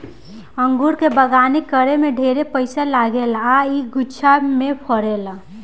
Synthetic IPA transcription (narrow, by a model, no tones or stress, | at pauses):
əŋɡuɾkebəɡaːnikəɾemẽɖʱeːɾepəɪsalaɡelaiɡʊt͡ʃʰamepʰəɾeːla